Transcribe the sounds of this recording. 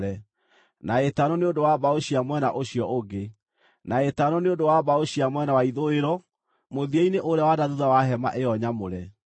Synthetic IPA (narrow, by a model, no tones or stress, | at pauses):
ɾɛ | naetanɔneodowabaoɕiamwɛnaʔoɕiɔʔoɡe | naetanɔneodowabaoɕiamwɛnawaiðoeɾɔ | moðieineʔoɾɛwadaðuðawaɦɛma̰ʔeɔɲamoɾɛ